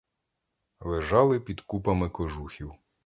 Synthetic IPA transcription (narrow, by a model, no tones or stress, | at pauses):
lˠeʒɑlˠɪpʲid̪kupɐmɪkɔʒuxʲiw